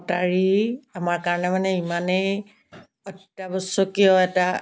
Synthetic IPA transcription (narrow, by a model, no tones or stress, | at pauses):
taɹiamaɹkaɹɔnɛmanɛimanej | ɔtːabɔsɔkijɔɛta